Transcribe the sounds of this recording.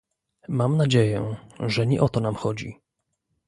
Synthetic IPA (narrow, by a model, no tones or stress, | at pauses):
mamnad͡ʑejɛʐɛɲɛ̰ʔɔt̪ɔnamxɔd͡ʑḭ